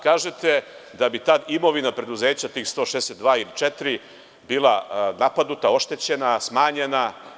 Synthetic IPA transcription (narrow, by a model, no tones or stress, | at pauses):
kaːʒet̪e̞ | d̪abit̪ad̪imo̞ʋinapɾe̞d̪uze̞ːt͡ɕat̪iːxst̪o̞ʃeeset̪d̪ʋaːilit͡ʃet̪ɾi | biːlanapad̪nut̪ao̞ʃt̪e̞t͡ɕe̞nasmaːɲe̞na